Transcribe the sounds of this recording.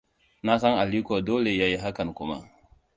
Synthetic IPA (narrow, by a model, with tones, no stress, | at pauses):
na˦sa˦ŋa˨li˦ko˨doː˦le˨ja˦je˦ɦa˦ka˨nkʊ˦ma̰˦